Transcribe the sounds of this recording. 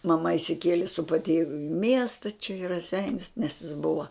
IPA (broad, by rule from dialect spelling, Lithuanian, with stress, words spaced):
mɐˈmɐ ɪʃʲsʲɪˈkʲiɛlʲeː sʊ pɐtʲiɛʋʲʊ ɪ mʲiɛstɐ t͡ʃʲɛ ɪ rɐˈsʲɛɪnʲʊs nʲɛs jɪs ˈbʊʋɐ